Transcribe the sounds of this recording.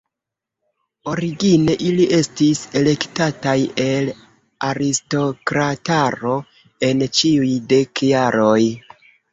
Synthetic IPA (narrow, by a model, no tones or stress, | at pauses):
o̞ɾiɡine̞ʔiliʔe̞stise̞le̞ktataje̞l | aɾisto̞kɾataɾo̞ | e̞nt͡ʃiujde̞kjaɾo̞j